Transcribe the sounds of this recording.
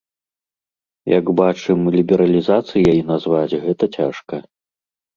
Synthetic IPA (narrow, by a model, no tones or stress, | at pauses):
jɐ̰ɡbat͡ʂɨmlʲibʲɛɾɐlʲizat̪sɨjajinazvat͡sʲɣɛt̪ɐt͡sʲaʂkɐ